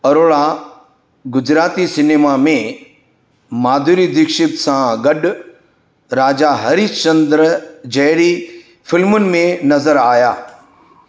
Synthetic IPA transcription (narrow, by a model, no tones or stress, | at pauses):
ɐɾoːɭa | ɡʊd͡ʑɾaːt̪isɪneːmamẽ | maːd̪ʱuɾid̪ɪkʃɪbsãɡɐɗ | ɾaːd͡ʒaɦɐɾit͡ʃɐ̃nd̪ɾd͡ʑɐɦɽi | fɪlmʊnɪ̆mẽnɐzəɾaːjaː